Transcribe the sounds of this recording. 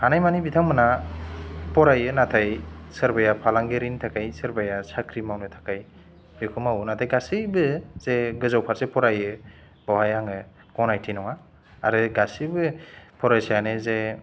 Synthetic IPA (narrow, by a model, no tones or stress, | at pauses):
hanajmanibitʰaŋmɯna | pɔɾajɯnatʰajsɯɾbajapʰalaŋɡeɾintʰakʰajsɯɾbajasʰakʰɾimawnɯtʰḁkaj | bekʰɔmawunatʰajɡasibɯz̥eɡɯzawpʰaɾzepɔɾajɯ | b̥awajaŋɯ | kɔnajtʰinɔŋa | a̰ɾɯɡasibɯpʰɔɾajsajaneze